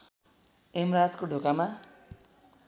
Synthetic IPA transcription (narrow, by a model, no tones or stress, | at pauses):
emrad͡zkoɖʱokama